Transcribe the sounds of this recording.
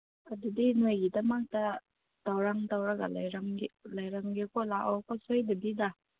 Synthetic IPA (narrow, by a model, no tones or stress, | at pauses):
ɐdudinojɡidɐmak̚ta | d̥awɾaŋdawɾaɡalajɾaŋilajɾaŋɡikʰɔlaʔɔwkɔsojdabida